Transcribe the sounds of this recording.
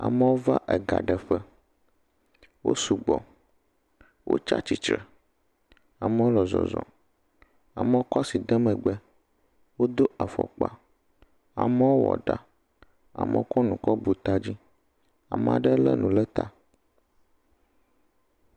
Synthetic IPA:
a̰˨mə˦wo˦va̰˦ʔɛ˨ɡa̰˨ɖə˨ɸə˦ | wo̰˦su˨ɡ͡bɔ˨ | wʔo̰˦t͡ʃa̰˦t͡ɕi˨t͡ʃɾə˨ | a˨mə˦wo˦lɔ˨zɔ̰˨zɔ̰̃˨ | a˨mə˦wo˦kɔ˦si˨d̪ə˦mə̃˨ɡ͡bɛ˦ | wo˦d̪o˦ʔa˨fɔ̰˨k͡pa˨ | a̰˨mə˦wo˦wɔ̰˨ɖa˨ | a̰˨mɛ̰˦wo˦kɔ˦nũ˨kɔ˦bu˨t̪a˦d͡ʑi˦ | a˨m˨a̰˨ɖə˦lə̰˦nũ˨lə˦t̪a˨

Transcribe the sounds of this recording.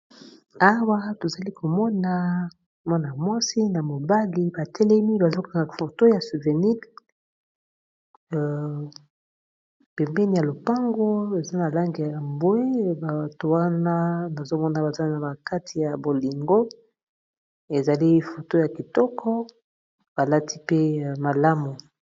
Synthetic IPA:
a˦wa˦to˨za˨li˦kʰo˨mɔ˦na˨ | mɔ˦na˨mwɔ˦si˦na˨mo˨ba˦li˦ba˨tɛ˦lɛ˦mi˦ba˨zo˦ka˨ŋɡa˨fo˨to˦ja˨su˨ve˨ni˦l | pɛ˨mbɛ˦ni˨ja˨lo˨pa˦ŋɡo˦e˨za˦na˨la˦ŋɡi˨ja˨a˨mbwe˦ba˨to˦wa˦na˦na˨zo˦mɔ˦na˦ba˨za˦na˨ba˨ka˦tʰi˨ja˨bo˨li˨ŋɡo˦ | e˨za˨li˦fo˨to˦ja˨ki˨tɔ˦kʰɔ˦ | b̥a˨la˦ti˦pe˦˨ma˨la˦mu˨

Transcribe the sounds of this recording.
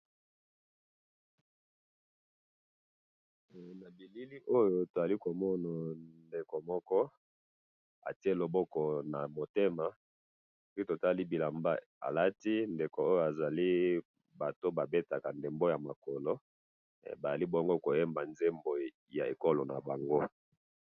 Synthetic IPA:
na˨bi˨li˦li˦ʔo˦jo˨to˨za˨li˦ko˨mɔ˦na˨nde˨ko˨mɔ˦kɔ˦ | a̰˨ti˦e˦˨lo˨bɔ˦kɔ˨na˨mo˨te˦ma˨ | pi˦to˨ta˦li˦bi˨la˨mba˦ | a̰˨la˦ti˦nde˨ko˨o˦jo˨a˨za˨li˦ | ba˨to˦ba˨be˦ta˨ka˨nde˨mbo˦ja˨ma˨kɔ˨lɔ˦˨ | ba˨za˨li˦bo˦ŋɡo˦ko˨je˦mba˨nze˦mbo˨ | ja̰˨ḛ˨ko˦lo˨na̰˨ba˨ŋɡo˦

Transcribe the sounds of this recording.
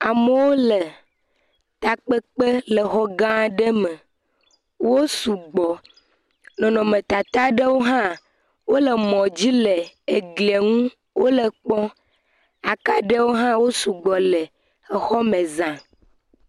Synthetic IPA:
a˨me˨˦wo˦le˨ | t̪a˨k͡pe˦k͡pe˦le˨xɔ˦ɡã˦ɖə˦me˨ | wo˦su˨ɡ͡bɔ˨ | nɔ̃˨nɔ̃˨mẽ˨t̪a˨t̪a˦ɖe˦wo˦ɦã˦ | wo˦le˨mɔ̃˨d͡ʑi˦le˨e˨ɡli˨e˨ŋũ˦ | wʔo˦le˨k͡pɔ̃˦ | a˨ka˦ɖe˦wo˦ɦã˦wo˦su˨ɡ͡bɔ˨le˨ | e˨xɔ˦mẽ˨zã˨

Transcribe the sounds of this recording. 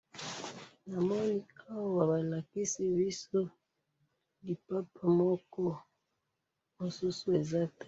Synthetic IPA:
na˨mɔ˦ni˦a˦wa˦wa˨βa˨la˨ki˦si˦βi˦so˦ | li˨pa˦pʰa˦˨mɔ˦kɔ˦ | mo˨su˦su˦e˨za˦te̥˦˨

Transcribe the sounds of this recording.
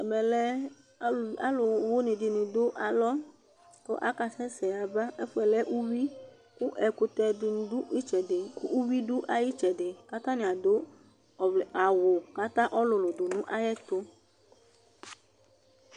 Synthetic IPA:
a˨mɛ˨lɛ˦ | a˦lʊ˨wo˦nɪ̃˨dɪ˨nɪ̃˨d̪o˦ʔa˨lɔ˦ | ko̰˦ʔa̰˦ka˨sɛ˦sɛ˨a˨ba˦ʔe˦fʊ˦ɛ˨lɛ˦ʔu˦wi˦ | ku˦ʔɛ˨kʊ˨t̪ɛ˨dɪ˨n˦u˦i˦t͡ʃɛ˨dɪ˨ku˦ʔu˦wi˦du˦ʔa˨ji˦t͡ʃɛ˨dɪ˨ka˦t̪ã˦nɪ̃˨a˨do˦˨ | vlɛ˨a˨wʊ˨ka˦t̪ã˦ʔɔ˦lʊ˨lʊ˨do˨nũ˦ʔa˦jɛ˦t̪o˦

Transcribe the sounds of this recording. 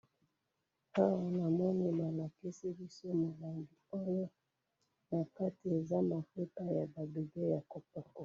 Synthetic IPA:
ha˦wa˨na˨mwa˦ni˨ma˨la˨ki˦si˦bi˦sɔ˦mo˨la˨ŋɡi˨ɔ˦jɔ˦ | na˨ka˦ti˨e˨za˦ma˨fe˦ta˦ja˨ba˨bi˨ɡɛ˦ja˨kɔ˨pa˨kɔ˨

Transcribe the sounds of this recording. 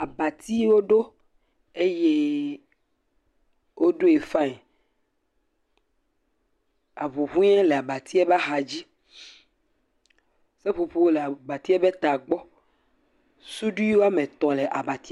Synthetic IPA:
a˨ba˨t̪i˦wo˦ɖo˦ | e˦je˦ | wʔo˦ɖo˦e˨fã˦e˨ | a˨vu˨ɦũ˦a˦le˨a˨ba˨t̪i˦ɛ˦ba˦xa˨d͡ʑi˦ | se˦ɸo˨ɸu˦wo˦le˨ba˨t̪i˦e˦be˦t̪a˨ɡ͡bɔ˦ | su˦ɖu˦i˦wo˦a˦mẽ˨t̪ɔ̃˨le˨ʔa˨ba˨t̪i˦

